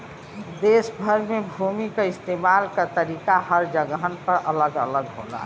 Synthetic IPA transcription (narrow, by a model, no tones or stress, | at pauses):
d̪esbʱəɾmebʱumikeɪst̪emalkət̪əɾikahəɾd͡ʒəɡɦənpəɾʔələɡə̰ləɡɦo̰la̰